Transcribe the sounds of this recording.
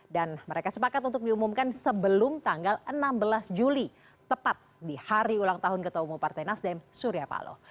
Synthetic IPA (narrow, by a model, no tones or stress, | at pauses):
danməɾekasəpakat̪unt̪ʊk̚diumumkansəbəlʊmt̪aŋɡalənambəlasd͡ʒuli | t̪əpat̪̚dihaɾiulaŋt̪aɦʊnkət̪oumupart̪ajnasdɛmsuɾiapa̰lo̰